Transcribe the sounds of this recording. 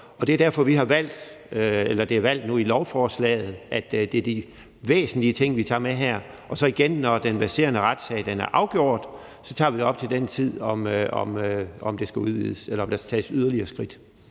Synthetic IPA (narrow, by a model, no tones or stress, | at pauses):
ɒ̽d̥eæd̥æɐfɒʋiɦɑ̈ʋæl̰d̥ | elɐd̥e̝æʋæl̰d̥nuilɒʊfɒːslɛ̰ːɪð̩ˠʔæd̥d̥e̝æɐd̥i | ʋḛːsn̩liət͡sʰe̝ŋ̰ʋit͡sʰɑ̰̈ːmeɦæɐ̰ | ʔɒ̽sɒ̽iɡ̥enːɒd̥enbæɐse̝̰ːɐnəʁad̥sɛɪd̥enæɐʔɑ̈ʊɡ̥jo̝ːɐ̰d̥ | sɒ̽t͡sʰɑ̈ːʋid̥e̝ɒ̽b̥̚t͡sʰe̝ld̥ent͡sʰið̞̰ˠɒ̽mɒ̽mɒmd̥e̝sɡ̥æuðˠʋḭð̰ˠəselɐɒ̽md̥ɑ̈sɡ̥t͡sʰɛ̰ːsyð̞ˠɐliɐːsɡ̥ʁid̥